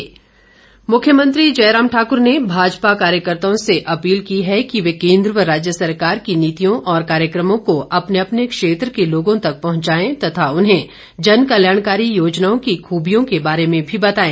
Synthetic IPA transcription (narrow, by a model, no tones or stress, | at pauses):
mʊkʰjəmə̃nt̪ɾid͡ʒɐɪɾaːmʈʰaːkʊɾnebʱaːd͡ʒpakaːɾjəkəɾt̪aõseʔɐpiːlkiɦɛkiʋekẽːnd̪ɾʋəɾaːd͡ʒjəsɐɾkaːɾkiniːt̪ijõʔɔːɾkaːɾjəkɾəmõkoʔɐpneɐpnekʃeːt̪ɾkeloːɡõt̪ɐk̚pɐɦʊ̃t͡ʃaːẽt̪ɐt̪ʰaʊnɦẽ | d͡ʒɐnkɐljaːɽ̃kaːɾijoːd͡ʒnaːõkixʰuːbijõkebaːɾemẽbʱibɐt̪aːẽː